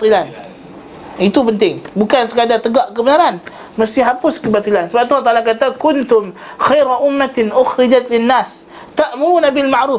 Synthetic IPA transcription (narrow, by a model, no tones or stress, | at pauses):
t̪ˤilan | it̪upənt̪ɪŋbukansəkadart̪əɡaʔkəbənaɾan | mərst̪iɦapʊskəbat̪ilansəbap̚t̪ult̪alakat̪akʊnt̪ʊm | xajɾaʔʊmːat̪ɪnʔʊxɾɪd͡ʒat̪lɪnːaːs | t̪aʔmuɾuːnabɪlmaʕʔɾuːf